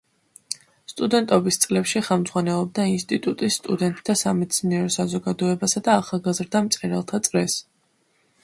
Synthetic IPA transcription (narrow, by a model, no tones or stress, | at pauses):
st̪ʼud̪ɛnt̪ʼɔbist̪sʼlɛpʃiχɛmd̪zʁwanɛlˠɔb̚d̪ainst̪ʼit̪ʼut̪ʼisːt̪ʼud̪ɛnt̪ʼt̪ʰːasamɛd̪sʰniɛɾɔsazɔɡad̪ɔɛbasad̪aːχalˠɡazɾd̪amt̪sʼɛɾɛlˠt̪ʰat̪sʼɾɛs